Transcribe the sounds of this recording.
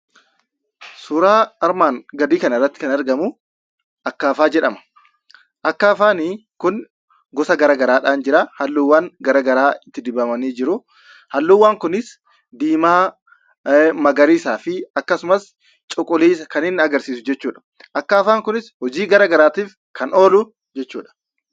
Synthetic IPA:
suːɾaːɐɾmaːŋɡɐd̪iːkɐnɐrːɐt̪ːɪ̥kɐnɐɾɡɐmʊ | ʔɐkːaːfaːd͡ʒɛᶑɐmɐ̥ | ʔɐkːaːfaːnɪ | kʊn | ɡɔsɐɡɐɾaːɡɐɾaːᶑaːnd͡ʒɪɾahɐlːuːwːaːŋɡɐɾaɡɐɾaːɪt̪ːɪd̪ɪbɐmɐniːd͡ʒɪɾʊ | hɐlːuːwːaːŋkʊnɪs | d̪iːmaː | mɐɡɐɾiːsaːfɪɐkːɐsʊmɐs | t͡ʃʼʊkʼʊliːsɐkɐnɪnːɪɐɡɐɾsiːsʊd͡ʒɛt͡ʃːuːᶑɐ̥ | ʔɐkːaːfaːŋkʊnɪshɔd͡ʒiːɡɐɾɐɡɐɾaːt̪iːf | kɐnoːlʊ | d͡ʒɛt͡ʃːuːᶑɐ̥

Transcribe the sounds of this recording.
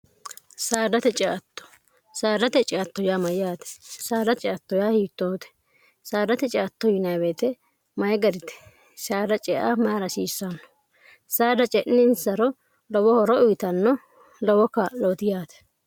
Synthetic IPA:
saːd̪ɐt̪ɛt͡ʃʼɛʔɐt̪ːɔ̥ | saːd̪ɐt̪ɛt͡ʃʼɛɐt̪ːɔjamɐjjaːt̪ɛ̥saːd̪ɐt͡ʃʼɛɐt̪ːɔjahiːt̪ːoːt̪ɛ̥ | saːd̪ɐt̪ɛt͡ʃʼɛɐt̪ːɔjɪnɐweːt̪ɛ | mɐjɡɐɾɪt̪ɛ̥ | saːd̪ɐt͡ʃʼɛʔamaːɾɐsiːsːɐnːɔ̥ | saːd̪ɐt͡ʃʼɛʔnɪnsɐɾɔ | lɔwɔhɔɾɔʊjɪt̪ɐnːɔ | lɔwɔkːɐloːt̪ɪjaːt̪ɛ̥

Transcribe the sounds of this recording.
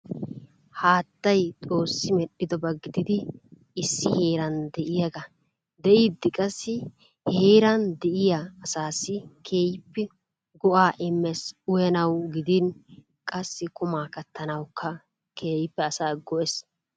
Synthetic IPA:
haːt̪ːɐjt̪ʼo̞ːsːɪmɛɗːɪd̪ɔbɐɡɪd̪ɪd̪ɪ | ɪsːɪhe̞ːɾɐnd̪ɛʔɪjɐɡɐ | d̪ɛʔiːd̪ːɪkʼɐsːɪ | heːɾɐnd̪ɛʔɪjaːsaːsɪkʰe̞ːjɪpːɛ | ɡɔʔaːʔɪmːɛsʊjɐnɐwɡɪd̪ɪn | kʼɐsːɪkʊmaːkɐt̪ʰːɐnɐwkʰːɐ | kʰe̞ːjɪpːɛɐsaːɡɔʔɛs

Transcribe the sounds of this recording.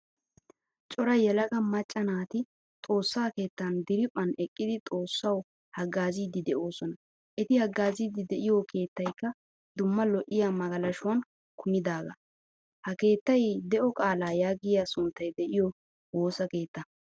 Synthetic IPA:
t͡ʃʼɔɾɐjɛlɐɡɐmɐt͡ʃʼːɐnaːt̪ɪ | t̪ʼo̞ːsːaːke̞ːt̪ːɐnd̪ɪɾɪpʼːɐnɛkʼːɪd̪ɪt̪ʼo̞ːsːɐw | hɐɡːaːziːd̪ɪd̪ɛʔo̞ːsɔnɐ | ʔɛt̪ɪhɐɡːaːziːd̪ɪd̪ɛʔɪjokʰe̞ːt̪ːɐjkːɐ | d̪ʊmːɐlɔʔɪjamɐɡɐlɐʃʊwɐn | kʰʊmɪd̪aːɡɐ | hɐke̞ːt̪ːɐjd̪ɛʔɔkʼaːlaːjaːɡɪjaːsʊnt̪ːɐjd̪ɛʔɪjɔ | wo̞ːsɐke̞ːt̪ːɐ

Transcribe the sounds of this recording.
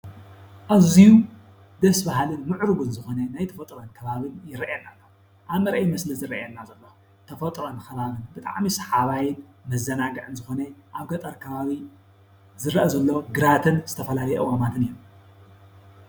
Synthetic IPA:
ʔaziju | d̪ɐsbahlɨnmɨʕɾɨɡunzɨxo̞nɐnajt̪ʰɐfɐt̪ʼɾonkʰɐβaβɨnjɪɾɐʔɛnːalːɐ | ʔaβmɐɾʔejmɐslizɨɾɐʔɛnːazɐlːo | t̪ʰɐfot̪ʼɾonkʰɐβaβɨnbɨt̪ʼa̰ʕmisɐ̥ħaβajɪn | mɐzːɐnaɡɐʕɨnzɨxo̞nɐʔaβɡɐt̪ʼɐɾkʰɐβaβi | zɨɾʔɐzɐlːoɡɨɾat̪ʰɨnzɨt̪ʰɐfɐlalɐjɛʔɨwamat̪ʰɨnɨjːu

